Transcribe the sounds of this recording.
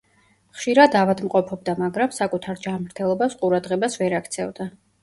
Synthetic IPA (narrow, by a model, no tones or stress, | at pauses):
χʃiɾad̪avad̪mqʼɔpʰɔb̚d̪amaɡɾamsakʼut̪ʰaɾd͡ʒanmɾt̪ʰɛlˠɔbasqʼuɾad̪ʁɛbasvɛɾakʰt̪sʰɛvd̪a